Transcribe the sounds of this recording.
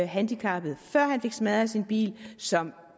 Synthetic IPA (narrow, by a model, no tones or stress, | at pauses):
ɦænd̥ikʰɑ̈b̥ð̩ˠfɶɐ̰hænfe̝ɡ̥smæð̞ˠæsinb̥ḭːlsɒ̽m